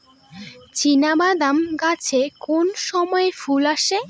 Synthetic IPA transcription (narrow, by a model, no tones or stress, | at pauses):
t͡ɕinabad̪amɡat͡ɕʰekonʃɔmɔefulaʃe